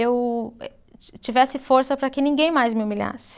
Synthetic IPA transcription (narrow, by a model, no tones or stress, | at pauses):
ewɛ | t͡ʃivɛsɪfoɾsɐpɾɐkɪnĩŋɡẽj̃majzmɪumiʎa̰sɪ̥